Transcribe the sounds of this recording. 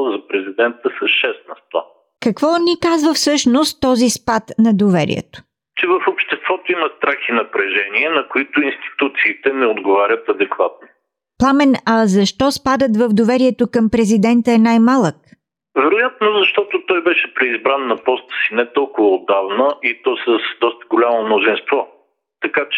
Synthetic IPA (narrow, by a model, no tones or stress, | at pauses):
zɐpɾɛzid̪ɛnt̪əsɐʃɛst̪nɐst̪va̰ | kɐkvɔnikazvəfsɤʃnost̪ːɔzispat̪nɐd̪ovɛɾḭɛ̰t̪o̥ | t͡ʃɛvɐfopʃt̪ɛst̪vɔt̪oimɐst̪ɾaxinɐpɾɛʒɛniɛnɐkoit̪ʊinst̪i̥t̪ut̪siːt̪ɛnɛod̪ɡovaɾʲət̪ɐd̪ɛkvat̪̚no | plˠamɛnɐzɐʃt̪ɔspad̪ət̪vəvd̪ovɛɾiɛt̪okɐmpɾɛzid̪ɛnt̪əɛnajmalˠək | vɛɾʊjat̪̚nozɐʃt̪ɔt̪ot̪ɔjbɛʃɛpɾɛizbɾanːɐpɔst̪ə̥sinɛt̪ɔlˠkʊvəod̪avnəʔit̪ɔsəsd̪ɔst̪ə̥ɡolʲamomnʊzinst̪vɔ | t̪ɐkat͡ʃɛ